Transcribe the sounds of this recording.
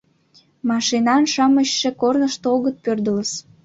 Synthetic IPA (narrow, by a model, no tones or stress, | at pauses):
mɑʃinɑnʃɑməɕːĕkornəʃt̪oɣət̪̚pørd̪ələs